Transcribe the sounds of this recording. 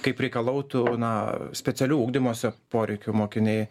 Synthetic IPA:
kɐɪpɾʲɛɪkɐlˠɐʊt̪ʊnɐsʲpʲɛt̪t͡s̪ʲɛlʲuːuːɡd̪ʲɪmoːsʲɛpoːɾʲɛɪkʲʊmoːkʲɪnʲɛɪ

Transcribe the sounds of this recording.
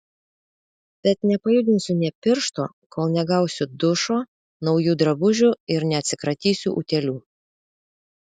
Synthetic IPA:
b̥ʲɛt̪nʲɛpɐjʊd̪ʲɪnʲsʲʊnʲɛpʲɪɾʃt̪o̰ː | kʰoːlˠnʲɛɡɐˑʊsʲʊd̪ʊʃoː | nɒʊjuːd̪ɾɐbʊʒʲʊɪɾnʲɛɐt̪ʲsʲɪkɾɐt̪ʲiːsʲuːʔʊt̪ʲɛlʲuː

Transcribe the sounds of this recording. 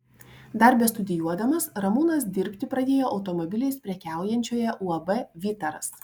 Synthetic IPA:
d̪ɐɾʲbʲɛst̪ʊd̪ʲɪjuɔd̪ɐmɐsɾɐmuːnɐsd̪ʲɪɾʲpʲt̪ʲɪpɾɐd̪ʲeːjoːʔɐʊt̪ɔmɔbʲɪlʲɛɪspʲɾʲɛkʲæˑʊjɛnʲt͡ʃʲoːjɛʔuɐbɛʋʲɪt̪ɐɾɐ̰s

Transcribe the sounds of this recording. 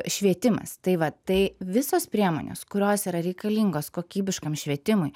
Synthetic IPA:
ʃʲʋʲiɛt̪ʲɪmɐ̰st̪ɐɪʋɐt̪ɐɪʋʲɪsoːspʲɾʲiɛmo̰ːnʲo̰ːskʊɾʲoːsiːɾɐɾʲɛɪkɐlʲiːŋɡoːskoːkʲiːbʲɪʃkɐmʃʲʋʲiɛt̪ʲɪmʊɪ

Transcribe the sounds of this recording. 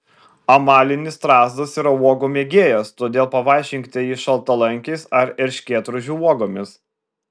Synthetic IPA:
ɐmɑːlʲɪnʲɪst̪ɾɑːzd̪ɐsiːɾɐuɔɡoːmʲeɛɡʲeːjɛst̪oːd̪ʲeːlˠpɐʋɑˑɪʃʲɪŋʲkt̪ʲɛjiʃɐlˠt̪ɐlˠɐŋʲkʲɛɪsɐɾɛɾʲʃʲkʲeːt̪ɾʊʒʲuuɔɡoːmʲɪs

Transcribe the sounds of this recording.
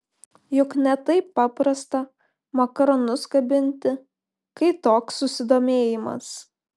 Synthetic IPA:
jʊknʲɛt̪ɐɪpːɑːpɾɐst̪ɐ | mɐkɐɾɔnʊskɐbʲɪnʲt̪ʲɪ | kɐɪt̪oːksːʊsʲɪd̪oːmʲeːjɪmɐ̰s

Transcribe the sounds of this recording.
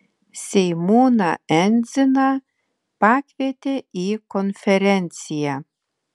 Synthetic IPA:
sʲejmunaænzɘnɑ | pakvʲet̪ʲeikonfʲeɾʲenʲtt͡sija

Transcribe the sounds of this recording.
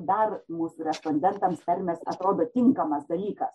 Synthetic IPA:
d̪ɐrmuːsuːɾʲɛsponʲd̪ʲɛnt̪ɐmspʲɛɾʲmʲɛsɐ̰t̪ɾoːd̪oːt̪ʲɪŋkɐmɐsd̪ɐlʲiːkɐs

